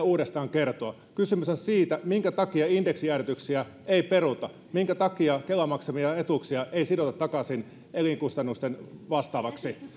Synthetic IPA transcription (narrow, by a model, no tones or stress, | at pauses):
uːɾest̪ɑːŋkert̪oɑ | kysymysonsiːt̪æmiŋkæt̪ɑkiɑindeksiæret̪yksiæ | eiperut̪ɑ | miŋkæt̪ɑkiɑkelɑmɑksemiɑet̪uksiɑʔeisidot̪ɑt̪ːɑkɑsin | eliŋkust̪ɑnːust̪enʋɑst̪ɑːʋɑksi